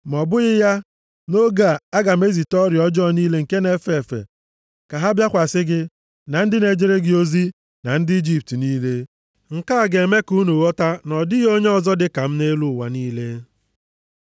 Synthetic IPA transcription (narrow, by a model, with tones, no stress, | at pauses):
m̩˨ɔ˨bʊ˦ɣɪ˦ja˦ | no˦ɡa˨a˦ɡa˨me˦zi˨tɔ˦ɾjɔ˦d͡ʒɔ˦˨niː˦le˦ŋ̩˨ke˦ne˦fe˨fḛ˨ | ka˨ɦa˦bja˦kʷa˨sɪ˦ɡɪ˦ | na˨n̩˦dɪ˦ne˨d͡ʒe˦ɾe˦ɡɪ˦o˦zi˦ | na˨n̩˦dɪ˦i˦d͡ʒi˦p̚tniː˦le˦ | ŋ̩˨ka˦˨ɡe˨me˦ku˦nu˨wɔ˦ta˦nɔ˨dɪ˦ɣo˦ɲe˦ɔ˦˨zɔ˦dɪ˦ka˨m̩˦ne˦lu˦˨wa̰˨niː˦le˦